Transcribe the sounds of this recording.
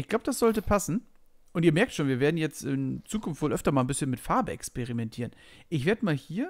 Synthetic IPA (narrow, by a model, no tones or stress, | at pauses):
ʔɪçɡ̥laʊbəd̥asz̥ɔltəpʰasn̩ | ʔʊntiːɐmɛɐk̚tʃoːnviːɐveːɐdn̩jɛt͡stɪnt͡suːkʰʊnftv̥oːlʔœftɐmaːlnbɪsçənmɪtfaɐbəɛ̰kspeʁimɛntʰiːʁənʔɪçv̥eːɐdəmaːlhiːɐ